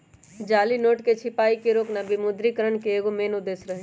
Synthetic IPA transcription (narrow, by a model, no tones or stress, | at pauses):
d͡ʒaːlinoːʈket͡ʃʰɪpaːikeɾoːknabimʊd̪ɾikəɾəɳkeeːɡomeːnʊd̪eːsɾəɦe